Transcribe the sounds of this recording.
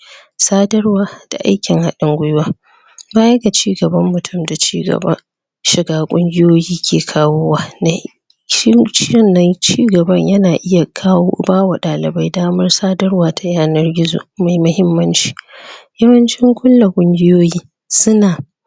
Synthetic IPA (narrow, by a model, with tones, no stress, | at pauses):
saː˦dɐ˦rwaː˨d̥a̰˨ʔa̰˦jkʲɪ˨ŋha˦ɗɪ˦ŋɡʷʊ˦jwaː˦ | baː˦jɐ˦ɡa˨t͡ʃiː˦ɡɐ˨bɐ˦mːʊ˨tʰʊ˦˨mda˨t͡ʃiː˦ɡɐ̰˨ba̰˦ | ʃɪ˨ɡaː˦kʷʼʊ˦ŋɡʲɪ˦joː˦jiː˦kʲʰeː˨kʰaː˦woː˦waː˨na˨˦ | t͡ʃɪ˦ɪ˦˨nːɐ˦nt͡ʃiː˦ɡɐ˨bɐ˦ɲjɐ˦naː˨ʔɪ˦ja˨kʰa˦baː˦wa˨ɗaː˨lɪ˨ba˦jdaː˦mɐ˦rsaː˦dɐ˦rwaː˨tʰa˨jaː˦nɐ˦rɡʲɪ˦zo̰ː˨ma˨jmɐ˦hɪ˦mːɐ˦nt͡ʃi̥ː˦jɐ˦wɐ˦nt͡ʃɪ˦ŋkʷʊ˦lːa˨kʷʼʊ˦ŋɡʲɪ˦joː˦jiː˦ | sʊ˦naː˨